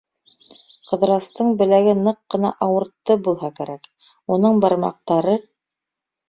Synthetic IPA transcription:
qɤ̆ðɾɑst̪ɤɴbɘ̆læɡɘnɤqːɤ̆nɑ̰ʔɑwɤ̆ɾt̪ːɤbulˠɦɑkæɾæk | unɤɴbɑɾmɑ̰q̚t̪ɑɾɤ

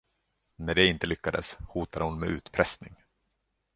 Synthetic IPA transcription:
næɖɛɪnt̪əlʏkːad̪ə̰shuːt̪ad̪əhʊnmɛ̰ʔʉ̟ːt̪pʰɾɛsnɪŋ

